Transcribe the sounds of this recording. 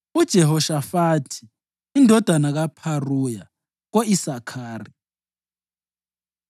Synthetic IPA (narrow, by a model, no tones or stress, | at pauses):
ud̥ʒ̥ʱɛɦɔʃafatʰi̥ː | ndʱɔd̥ʱanaɣapʰaruja | ɣoisakʰaːri